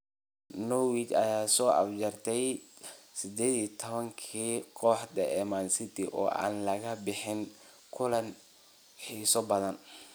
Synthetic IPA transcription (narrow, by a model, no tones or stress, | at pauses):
nɔwiːt͡ʃɐ̰jaːsɔːʔɐ̰fd͡ʒɐrt̪ʰɛjsɪd̪ɛːðiːt̪ʰɔβɐŋkʰiːkʰɔːħd̪ɐʔɛmaːnsɪt̪ʰiʔɔ̰ːʔa̰ːnlɐɣɐbɪħɪŋ | kʰʊlɐn | ħiːsɔbɐðɐn